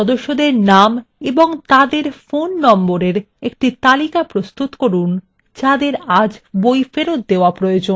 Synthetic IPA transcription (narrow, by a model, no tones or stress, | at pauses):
ɔd̪oʃːod̪eɾnameboŋt̪ad̪eɾfonːɔmboɾeɾ | ek̚ʈit̪alikapɾost̪ut̪koɾun | d͡ʑad̪eɾad͡ʑbojfeɾot̪̚d̪eoapɾojod͡ʑon